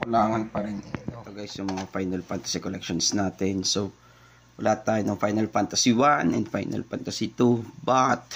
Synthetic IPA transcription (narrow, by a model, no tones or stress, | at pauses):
kʊlaːŋɐnpɐɾɪnit̪ot̪ɐɡajsjʊŋmɐŋafajnɐlfant̪ɐ̥sikolɛkʃonsnaːt̪ɛnso | wɐlaːt̪aːjonɐŋfajnɐlfant̪ɐsiwanʔɛ̰nd̪fajnɐ̰lfa̰nt̪ɐsit̪ubat̪̚